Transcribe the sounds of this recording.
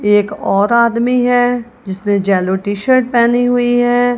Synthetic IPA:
eːkɔːɾaːd̪miɦɛː | d͡ʒɪsnẽd͡ʒɛːloʈiːʃəɾʈ̚pɛːniɦʊiɦɛː

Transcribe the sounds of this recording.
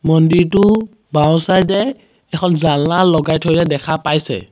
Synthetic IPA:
mɔndiɹtʊ | baw̃sajdɛ | ɛkʰɔnzalːalɔɡajtʰɔjlɛdɛkʰapajsɛ̰

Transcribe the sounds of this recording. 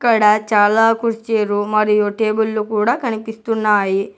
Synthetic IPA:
kːɐɽɐt͡ʃaːlaːkuɾt͡ʃeːɾumɐɾijoʈeːbulːukuːɽaːkɐnipist̪unːaːji

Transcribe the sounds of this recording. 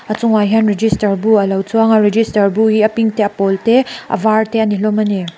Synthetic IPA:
ɐt͡suŋajɦɐnɾed͡ʒistɐɾbuɐlawt͡sʰuaŋaɾed͡ʒistɐɾbuhiɐpiŋteɐpɔlteɐ̰vaɾteɐnilɔmɐne

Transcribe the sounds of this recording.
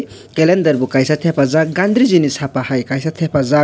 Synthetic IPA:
kelend̪ɐɾbukajsat̪ʰepʰazak̚ɡand̪ʱɾizinisʰapahajkajsat̪ʰepʰaza

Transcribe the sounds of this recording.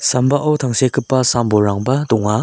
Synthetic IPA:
sambaʔɐwtʰaŋsekʰɯpːɐsamboɾaŋbɐdɔŋa

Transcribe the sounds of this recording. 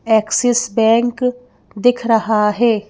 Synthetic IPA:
ɛːksɪsbɛ̃ːŋk | d̪ɪkʰɾɐɦaɦɛː

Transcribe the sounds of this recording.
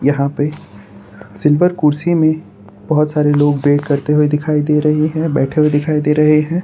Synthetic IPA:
jɐɦãpe | sɪlʋəɾkʊːɾsimẽ | b̥ɐɦʊt̪saːɾeloːɡbeːʈkɐɾt̪eɦued̪ɪkʰaːid̪eːɾɐɦeɦɛ̃ːbɛːʈʰeɦuwed̪ɪkʰaːid̪eːɾɐɦeɦɛ̃ː

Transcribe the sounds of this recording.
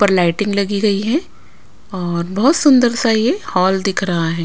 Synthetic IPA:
pɐɾlaɪʈɪ̃ŋɡlɐɡiɡɐiɦɛ̃ | ɔːɾbɐɦʊt̪sʊ̃nd̪əɾsajehɔːld̪ɪkʰɾɐɦaɦɛ̃ː

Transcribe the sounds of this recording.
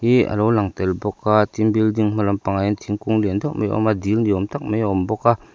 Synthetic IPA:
hiʔa̰lɔwlaŋt̪ɛlbɔkːat̪imbildiŋm̥alɔmpaŋajnt̪ʰiŋkuŋlind̪ɔʔmejʔɔ̰mad̪ilniɔmt̪ak̚mejɔmbɔkːa

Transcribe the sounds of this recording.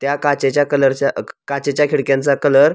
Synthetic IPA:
t̪jakat͡ɕet͡ɕjakələɾt͡ɕakat͡ɕet͡ɕjakʰiɽkjãnt͡sakələɾ

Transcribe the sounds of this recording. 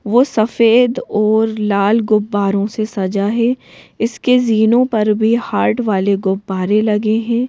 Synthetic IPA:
ʋoːsɐfeːd̪ɔːɾlaːlɡʊbːaːɾõsesɐd͡ʒaɦɛɪskeziːnõpɐɾbʱihaːɾʈʋaːleɡʊbːaːɾelɐɡeɦɛ̃ː

